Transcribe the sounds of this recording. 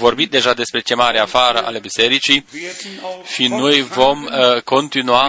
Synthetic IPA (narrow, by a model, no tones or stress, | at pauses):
vo̞rbit̪̚d̪e̞ʒad̪e̞spɾe̞t͡ʃe̞maɾeafaɾəʔa̰le̞bise̞ɾit͡ʃi | ʃino̞jvo̞mko̞nt̪inua